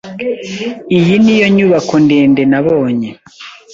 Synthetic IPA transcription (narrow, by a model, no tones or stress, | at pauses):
ijinijoɲuβakondeːndenaβoːɲe